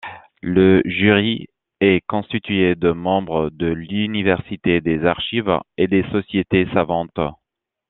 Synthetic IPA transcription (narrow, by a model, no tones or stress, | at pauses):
ləʒyʁi | ɛkɔ̃st̪it̪ɥed̪əmɑ̃bʁəd̪əlynivɛʁsit̪ed̪ezaʁʃived̪esɔsjet̪esavɑ̃t̪